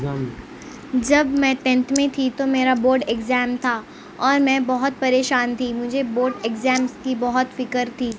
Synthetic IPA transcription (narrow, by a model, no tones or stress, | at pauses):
d͡ʒɐbmɛ̃ʈɛ̃ɳʈmẽt̪ʰit̪omeːɾaboːɾɖeɡzɛːmt̪ʰaː | ɔːɾmɛ̃bɔɦʊt̪̚pɐɾeːʃaːnt̪ʰimʊd͡ʒʱeboːɾɖekzɛːmskibɔɦʊt̪fɪkəɾt̪ʰiː